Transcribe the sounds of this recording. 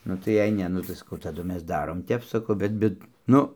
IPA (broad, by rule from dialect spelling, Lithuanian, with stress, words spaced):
ˈnʊ tɐɪ jɛɪ ˈnʲɛ ˈnʊ tɐɪ sɐˈkɐʊ tɐˈdʊ ˈmʲɛs ˈdɑːroːm ˈtʲɛp sɐˈkɐʊ ˈbʲɛt ˈbʲɛt ˈnʊ